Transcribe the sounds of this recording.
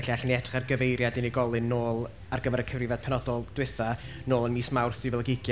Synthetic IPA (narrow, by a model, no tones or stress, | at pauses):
ɬiaɬniɛtʰχarɡəvejɾjadɪniɡɔlˠɨnːoːlˠ | arɡəvɛɾəkʰəvrɪvad̥̚pʰɛnɔdɔlˠd̥wɪθa | noːlˠənmiːsmawrθɪvɛlˠəɡɪɡj